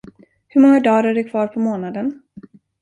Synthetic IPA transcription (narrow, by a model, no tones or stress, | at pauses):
hɵɾmɔŋːad̪ɑːɾæɖɵkʰvɑːɾpʰɔmoːnad̪ən